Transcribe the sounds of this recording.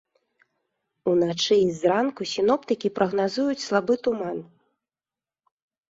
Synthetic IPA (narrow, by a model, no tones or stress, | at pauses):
unat͡ʂɨizɾankusʲinɔpt̪ɨkʲipɾʔɐɣnazujut͡sʲslˠabɨt̪uman